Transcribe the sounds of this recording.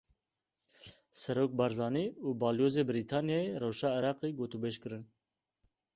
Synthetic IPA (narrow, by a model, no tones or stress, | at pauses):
sɛɾoːk̚bɑːɾzɑːniːuːbɑːljoːzeːbɪɾiːt̪ʰɑːnjɑerɛwʃɑːɪɾɑːqeːɡoːt̪ubeːʃkɨɾɨn